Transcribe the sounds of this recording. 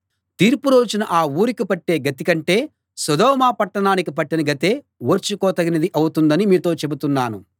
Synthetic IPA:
t̪iːɾpuɾo̞ːd͡ʒinɐʔaːuːɾikipɐʈːe̞ːɡɐt̪ikɐɳʈe̞ː | sɐd̪ɔːmaːpɐʈːɐɳaːnikipɐʈːinɐɡɐt̪e̞ː | woːɾt͡ʃukɔːt̪ɐɡinɐd̪iʔɐwut̪und̪ɐnimiːt̪o̞ːt͡ʃe̞but̪unːaːnu

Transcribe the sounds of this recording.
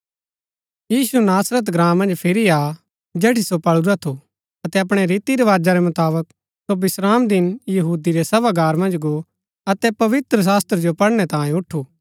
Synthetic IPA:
jiːsunaːsɾət̪̬ɡɾãːmːɐ̃nd͡ʒpʰɪɾia | d͡ʒeːʈisopɐɭuɾat̪ʰo | ɐt̪ɛɐpɽ̃ɛɾiːt̪iɾeʋaːd͡ʒaɾɛmɐt̪aːbək | sobɪsɾaːmd̪ɪnjɐɦuːd̪iɾɛsɐbaɡaːɾmɐ̃nd͡ʒɡo | ɐt̪ɛpɐʋɪt̪ɾəs̬aːst̪ɾd͡ʒopɐɽɽ̃ɛt̪ãːẽʊʈʰuː

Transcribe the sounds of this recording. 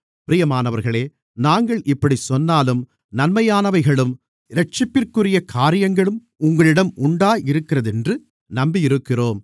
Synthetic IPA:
pɪɾɪjɐmaːnɐʋɐɾɣɐɭeː | naːŋɡɐɭʔɪpːɐɽisɔnːaːlɯm | nɐnmɐjaːnɐʋɐɪɣɐɭɯm | ɪɾɐʈ̚t͡ʃɪpːɪrkɯrɪjɐkʰaːɾɪjɐŋɡɐɭɯm | ʊŋɡɐɭɪɽɐmʊɳɖaːjɪɾɯkːɪrɐðɛndrɯ | nɐmbijɪɾɯkːɪroːm

